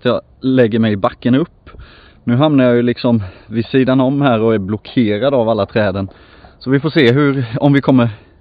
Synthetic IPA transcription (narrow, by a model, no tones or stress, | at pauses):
t̪jɑ | lɛɡːəɾmɛjbakːənɵpː | nʉ̟ːɦamnaɾjɑjɵlɪksɔmvɪsiːd̪anɔmːhæːɾɔæɾblɔkʰeːɾad̪avalːat̪ʰɾɛːd̪ən | sɔvɪfoːʂeːɦɵɾɔmvɪkʰɔmːəɾ